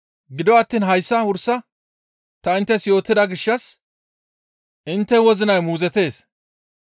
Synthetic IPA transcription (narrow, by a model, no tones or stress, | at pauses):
ɡɪd̪ɔwɐt̪ːiːnɦɐjsːɐhʊɾsɐ | t̪ɐɪnt̪ːɛsjo̞ːt̪ːɪd̪ɐɡɪʃːɐs | ɪnt̪ːɛwɔzɪnɐjmuːzɛt̪e̞ːs